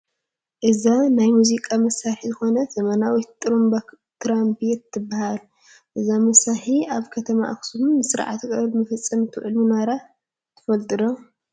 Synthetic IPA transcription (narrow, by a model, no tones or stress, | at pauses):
ʔɨzanajmuzikʼamɐsaħizɨxo̞nɐz̥ɐmɐnawit̪ʼːɾomb | t̪ʰɾambiet̪ʰːɨbːahal | ʔɨzamɐsaħiaβkʰɐt̪ʰɐma̰ʔa̰ksumːɨsɨɾʕa̰t̪ʰkʼɐlmɨfɐt͡sʼːɐmɨt̪ʰuʕɨlminaɾa | t̪ʰɨ̥fɐlt̪ʼɨɾo